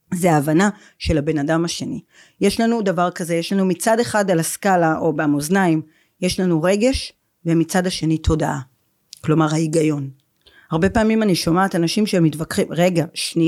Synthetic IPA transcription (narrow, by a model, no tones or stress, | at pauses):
zeaːvana | ʃe̞labe̞nadamaʃe̞ni | je̞ʃlanudavaʁkazeje̞ʃlanumit͡sade̞χadalaskalaʔo̞beamoznaim | je̞ʃlanuʁe̞ɡe̞ʃ | vemit͡sadaʃe̞nitʰo̞daʔa | klo̞maʁhaiɡajo̞n | haʁbe̞paːmimaniʃomaːtanaʃimʃeemitvakχimʁe̞ɡaʃni